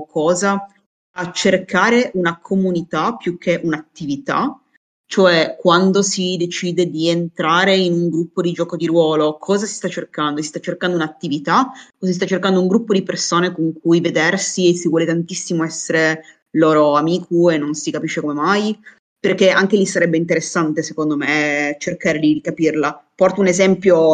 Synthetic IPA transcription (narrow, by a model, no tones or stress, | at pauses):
kʰɔːza | at͡ʃːerkaːɾeʔunakʰomunit̪apːjukʰːeʔunat̪ːivit̪a̰ | t͡ʃoɛkːwand̪osid̪et͡ʃiːd̪ed̪ient̪ɾaːɾeinuŋɡɾupːod̪id͡ʒɔːkod̪iɾwɔːlokʰɔːzasi̥st̪at͡ʃːerkand̪osist̪at͡ʃːerkand̪ounat̪ːivit̪aosis̬t̪at͡ʃːerkand̪ouŋɡɾupːod̪ipersoːnekoŋk̚ʰujved̪ɛrsiesivwɔːlet̪ant̪isːimoɛsːeɾe | loːɾoamiːkʰuenːonsikapiʃːekomemaj | perk̟eaŋk̟elisaɾɛbːeint̪eɾesːant̪esekond̪omet͡ʃerkaːɾelidikapirlapɔrt̪ounezɛmpjo